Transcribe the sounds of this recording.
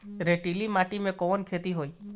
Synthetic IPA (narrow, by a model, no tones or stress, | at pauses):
ɾeʈilimaʈimẽkɔnkʰet̪iɦoj